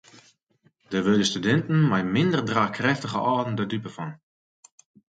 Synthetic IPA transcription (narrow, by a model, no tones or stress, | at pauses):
d̥əʋødəstydɛntn̩majmɪndərdraːkrɛftəɣəʔɔːdn̩dɔdypəfɔn